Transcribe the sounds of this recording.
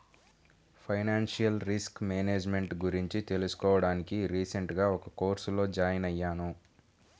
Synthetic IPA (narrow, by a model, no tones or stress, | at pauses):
pʰɐjnaːnʂijɐlɾiskmeːneːd͡ʒme̞ɳʈɡuɾiɲt͡ʃit̪e̞lusu̥kɔːʋɐɽaːnikiɾiːseɳʈɡaːɔkɐkoːɾsulo̞ːd͡ʒaːjɐnɐjːaːnu